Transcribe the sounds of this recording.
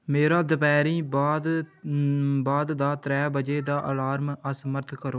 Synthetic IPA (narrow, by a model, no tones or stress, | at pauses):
meːɾaːd̪əpɛːɾiːbaːd̪ | baːd̪d̪aːt̪ɾɛːbəd͡ʒeːd̪aːʔəlaːɾməsəməɾt̪ʰkəɾoː